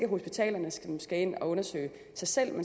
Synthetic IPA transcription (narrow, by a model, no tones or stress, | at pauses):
ɡ̥əɦo̝sb̥it͡sʰɛ̰ːlɐnəsɡ̥æe̝n̰ɒ̽ɔ̽nɐsø̰ːɪ | sɑ̈ɪsel̰men